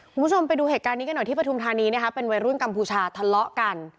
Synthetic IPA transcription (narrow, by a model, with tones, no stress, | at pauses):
kʰu˧mʰ˦˥˩o˧mpa˧jduː˧ɦeː˨˩kaː˧nːi˦ka˧nɔ˨˩j̪ʰiː˥˩pɾa˧tʰu˧mt̪ʰaː˧niː˧n˦˥ɐkʰa˦˥pe˧nwa˧jɾu˦˥ə˨nka˧mpʰuː˧t͡ɕʰaː˧t̪ʰa˧lɔ˦˥ʔka˧n